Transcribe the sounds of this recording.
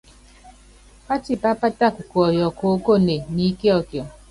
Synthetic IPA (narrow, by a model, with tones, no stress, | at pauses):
pa˦ti˨pa˦pa˦ta˦˨ku˨kɔ˨jɔ˨ko˨˦ko˦ne˨ni˦ke˦ɔ˨kjɔ˨